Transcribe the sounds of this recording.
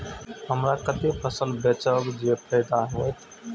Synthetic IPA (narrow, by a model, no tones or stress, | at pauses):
ɦəmɾakət̪epʰəsəlbet͡ʃəbd͡ʒepʰəɪd̪aɦot̪